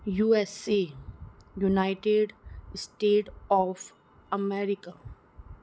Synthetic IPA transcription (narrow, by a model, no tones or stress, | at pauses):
juːesi | junaɪʈeɖsʈeːʈɔːf | əmɛːɾɪka